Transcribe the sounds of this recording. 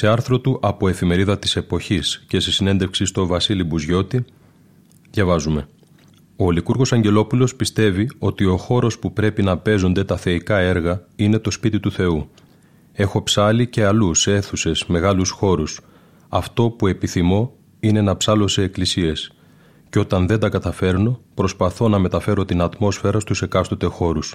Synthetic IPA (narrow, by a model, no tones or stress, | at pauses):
se̞ɐɾθɾo̞t̪uʔɐpo̞e̞fime̞ɾiðɐt̪i̥se̞po̞çisce̞sesine̞nd̪efksist̪o̞vɐsilibuzʝo̞t̪i | ðʝɐvɐzume̞ | o̞likuɾɣo̞sɐɲɟe̞lo̞pulo̞spist̪e̞vio̞t̪io̞xo̞ɾo̞spupɾe̞pinɐpe̞zo̞nd̪e̞t̪ɐθe̞ikɐe̞ɾɣɐine̞t̪o̞spit̪it̪uθe̞u | e̞xo̞psɐlice̞ɐluse̞θuse̞sme̞ɣɐlusxo̞ɾus | ɐft̪o̞pue̞piθimo̞ | ine̞nɐpsɐlo̞se̞ːklisie̞s | ceo̞t̪ɐnðe̞nd̪ɐkɐt̪ɐfe̞ɾno̞pɾo̞spɐθo̞nɐme̞t̪ɐfe̞ɾo̞t̪inɐt̪mo̞sfe̞ɾɐst̪use̞kɐst̪ot̪e̞xo̞ɾus